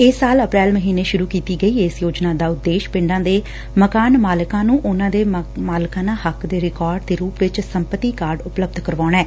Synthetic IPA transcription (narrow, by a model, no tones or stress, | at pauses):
ɪsːaːləpɾɛːlməɦiːneːʃʊɾuːkiːt̪iːɡəiːeːsjoːd͡ʒnaːd̪aːʊd̪ːeːʃpɪ̃ɳɖãːd̪eː | məkaːnmaːlɪkãːnũːʔʊnãːd̪eːmaːlɪkãːnãːhəkd̪eːɾɪkɔːɾɖ̚t̪eːɾuːpʋɪt͡ʃsəmpət̪iːkaːɾɖʊpləb̚d̪ʱkəɾʋaːɳɛː